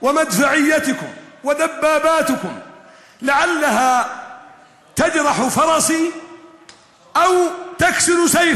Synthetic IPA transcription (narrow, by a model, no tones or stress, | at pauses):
wamad̪faʕɪjːat̪ʊkʊmwad̪abːaːbaːt̪ʊkʊm | lɪʕalːaɦaː | t̪ad͡ʒɾˤɑħfɑɾˤɑsi | ʔawt̪aksɪɾsaj